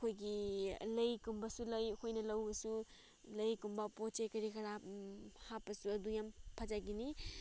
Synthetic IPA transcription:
kʰojɡilɐjkumbɐsulɐjɐkʰojnɐlɐwɡɐsu | lɐjkumbɐpot͡ʃekɐɾikʰɐɾahapːɐsuɐdujampʰad͡ʒaɡini

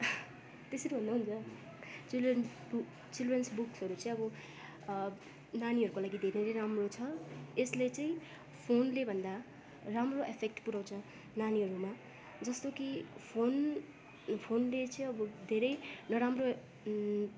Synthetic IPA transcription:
t̪esʌɾibʱʌnd̪aɦunt͡sʰʌ | t͡silren | bu | t͡silrensbuksɦʌɾut͡sʌĩʌbʌ | naniɦʌɾukolaɡid̪ʱeɾeɾeɾamrot͡sʰʌeslet͡sʌĩ | pʰonlebʱʌnd̪a | ramroʔepʰek̚ʈpuɾaw̃t͡sʰʌ | naniɦʌɾuma | d͡zʌst̪okipʰon | pʰonlet͡sʌĩʌbʌd̪ʱeɾʌjnʌɾamro

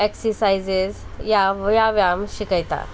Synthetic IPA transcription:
eksəsajzezjaʋjaʋjamɕikəjt̪a̰

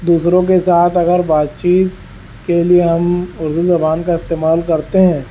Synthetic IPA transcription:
d̪uːsɾõk̬esaːt̪ʰɐɡəɾbaːd̪t͡ʃiːt̪ | kelieɦɐmʊɾd̪uzɐbaːnkaɪst̪eːmaːlkɐɾt̪eɦɛ̃ː

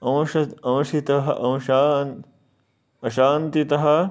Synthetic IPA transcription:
ɐ̃w̃ʃɐɐ̃w̃ʃit̪ɐɦɐʔɐwʃaːn | ɐʃaːnt̪it̪ɐɦɐ̆

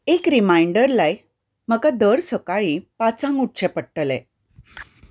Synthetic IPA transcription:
ekɾimajɳɖəɾlaj | m̤əkad̪əɽsəkaɭiːpat͡sãŋɡuʈ̚t͡ɕepəʈːəlḛ̃

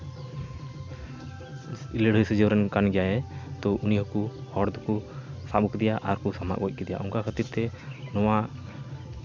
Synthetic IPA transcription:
ileɽ̤ʱəjsəd͡ʒɔwɾɛnkanɡɛjajɛt̪ɔʔuniɦɔkuhɔɽd̪kusaɓukd̪ɛjaʔaɾkusama̰ʔɡɔc̚ˀkɛd̪ɛja̰ʔɔŋkakʰət̪iɾt̪ɛnɔwa

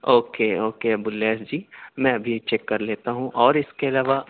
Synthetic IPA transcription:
oːkeoːkeɐbʊleːsd͡ʒiːmɛ̃ɐbʱiet͡ʃɛːkːɐɾleːt̪aɦũʔɔːɾɪskeɐlaːʋa

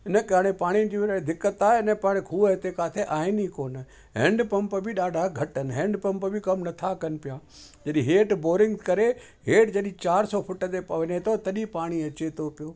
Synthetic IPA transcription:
ɪnəkaːɽ̃epaːɽ̃id͡ʒiʋɾd̪ɪkːət̪aːenɛ̃paːɽekʰuːət̪ekaːt̪ʰeʔaːɪnikoːn | ɦḛ̃ːɳɖpɐ̃mpəbʱiɗaːɖʱaɡʱɐʈənɦẽːɳɖpɐ̃mpbʱikɐmnɐt̪ʰakənpɪjaː | d͡ʒəɗĩɦeːʈboːɾɪ̃ŋɡkɐɾe | ɦeːʈd͡ʒəɗĩt͡ʃaːɾsɔːpʰʊʈət̪epɐʋənẽt̪ot̪ɐɗipaːɽ̃iɐt͡ʃet̪opɪjoː

